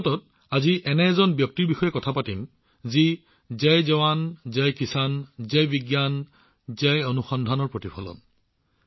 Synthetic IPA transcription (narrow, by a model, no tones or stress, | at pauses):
tɔt | aziʔɛnɛɛzɔnbjɔk̚tiɹbixɔjɛkɔtʰapatim | zi | zɛjzɛwanzɛjkisanzɛjbiɡjan | zɛjonuxɔndʱanɔɹpɹotipʰɔlɔ̰n